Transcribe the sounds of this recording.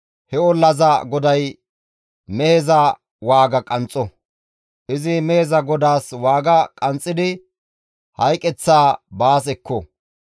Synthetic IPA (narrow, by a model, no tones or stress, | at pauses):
hɛɔlːɐzɐɡɔd̪ɐj | mɛhezɐ | waːɡɐkʼɐnt͡sʼɔ | ʔɪzɪmɛhɛzɐɡɔd̪aːswaːɡɐkʼɐnt͡sʼːɪd̪ɪ | hɐjkʼɛt͡sːaːbaːsɛkːɔ